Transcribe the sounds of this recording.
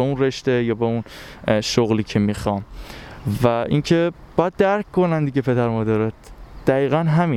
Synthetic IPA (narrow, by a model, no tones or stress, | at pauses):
eunreʃt̪ejɒːbeunʃoɣliːcʰemixɒːm | væʔincʰe | b̥ɒːjæd̪̥̚d̪æɾkʰkʰonænd̪iɟepʰe̞d̪æɾmɒːd̪æɾɒt̪d̪̥æɣiːɣænɦæmiː